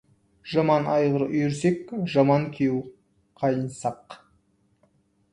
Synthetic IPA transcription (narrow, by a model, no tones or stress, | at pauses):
ʒ̥ɑmɑnɑjʁəɾʏjɪɾsekʒɑmɑŋkʲʰew | qʰɑjənsɑq